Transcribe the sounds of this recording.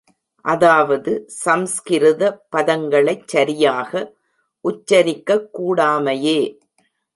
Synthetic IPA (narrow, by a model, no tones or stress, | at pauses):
ʔɐðaːʋɐðɯsɐmskɪɾɯðɐpɐðɐŋɡɐɭɐɪt͡ʃsɐɾɪjaːɣɐ | ʔʊt͡ʃːɐɾɪkːɐkːuːɽaːmɐjeː